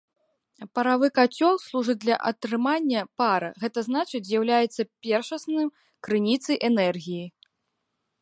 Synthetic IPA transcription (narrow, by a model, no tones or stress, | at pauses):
pɐɾavɨkat͡sʲɔlˠslˠuʐɨd͡z̚ʲd̪lʲɐʔɐt̪ɾɨmanʲːɐpaɾɐ̰ɣɛt̪ɐznat͡ʂɨt͡sʲzʲjawlʲajɛt̪sːɐpʲɛrʂɐsnɨjm | kɾɨnʲit̪sɐjʔɛnɛrɣʲiji